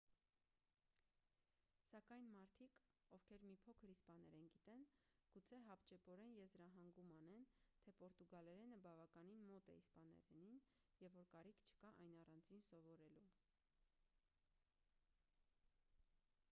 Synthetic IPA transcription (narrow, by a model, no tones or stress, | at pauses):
sɑkɑjnmɑɾt̪ʰikɔvkʰɛɾmipʰɔkʰəɾispɑnɛɾɛnɡit̪ɛnɡ̥ut͡sʰɛɦɑpt͡ʃɛpɔɾɛnjɛzɾɑɦɑŋɡumɑnɛnt̪ʰɛpɔɾt̪uɡɑlɛɾɛnəbɑvɑkɑninmɔt̪ɛispɑnɛ̰ɾɛnin | jɛvːɔɾkɑɾikʰt͡ʃʰə̥kɑʔɑjnɑrɑnd͡zinsɔvɔɾɛlu